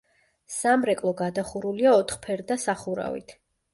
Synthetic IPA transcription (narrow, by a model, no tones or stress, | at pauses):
samɾɛkʼlˠɔɡad̪aχuɾuliaɔt̪ʰχpʰɛɾd̪asaχuɾa̰vḭt̪ʰ